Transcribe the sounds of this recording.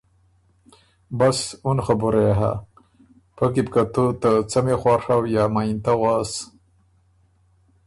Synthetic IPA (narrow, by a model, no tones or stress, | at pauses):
basunxabuɾeɦa̰ | pəkib̚kat̪ut̪at͡samexwaʂawjamaint̪awas